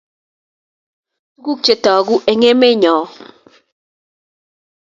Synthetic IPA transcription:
ɡu˦k̚t͡ʃe˨tɔː˨ɡu˦ʔe˨ŋe˦me˦ɲɔː˨

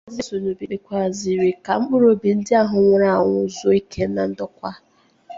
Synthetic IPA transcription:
zɪ˦so˨nu˨bi˨bi˨kʷa˨zi˨ɾi˨ka˨ŋ͡m̩˦k͡pʊ˦ɾo˦bi˨n̩˦dɪ˦a˦ɦʊ˨ŋʷʊ˨ɾa˦˨a˨ŋʷʊ˦zɔ˦i˦kʰe˦na˨n̩˦dɔ˦kʷa˦

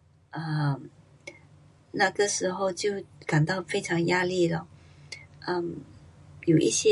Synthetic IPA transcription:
ə˧˨ | na˥˩ɡə˨ʂɻ̩˧˥xo˥˧ʊt͡ɕjo˥˩ʊka˨˩nt̪ɑ˥˩ʊfe˥ɪʈ͡ʂʰɑ˧˥ŋja˥˧li˥˩lə˩ | ə˥˩m | jo˨˩ʔi˥˧ɕjɛ˥

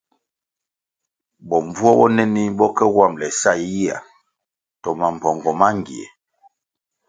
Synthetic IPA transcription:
bɔ˨ɱ˨vu˦ɔ˦bɔ˦nɛ˦ni˦bɔ˦kɛ˦wa˦˨mlɛ˨sa˦˨i˦ji˦a̰˨ | tɔ˨ma˨m̩˨pɔ˨ŋɡɔ˨ma˦ŋ˨ɡḭ˨ɛ̰˨

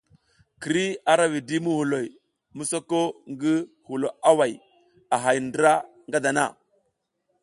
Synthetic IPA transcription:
ki˨ɾi˦a˨ɾa˦wi˨di˦mu˦hu˨lo˨j | mu˦so˦ko˦ŋɡi˦ | hu˨lo˨a˦wa˨j | a˨ɦa˨jndɾa˦ | ŋɡa˦da˨na˦˨

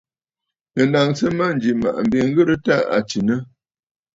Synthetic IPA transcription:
nə˨na˨ŋsə˦ma˦n̩d͡ʒi˨ma̰˨ʔm̩˨be˨ŋ̩˦ɡɨ˦ɾə˦ta˦a̰˨t͡ʃi˨nə˦

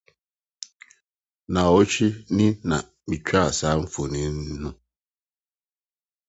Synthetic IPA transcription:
na˨o˦t͡ʃi˦ni˦na̰˨ | mi˨t͡ʃʰa˦˨sa˦m̩˦fo˨ni˨˦n˦nu˦

